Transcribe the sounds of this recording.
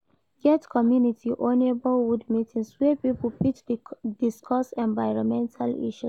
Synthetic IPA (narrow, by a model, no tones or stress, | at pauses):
ɡɛtkʰɔmjunitʰiʔõnebɔlwudmitʰĩnswɛpipulpit͡ʃdiskʰɔsɛ̃nvaɪɹɔ̃mɛ̃ntʰalḭʃu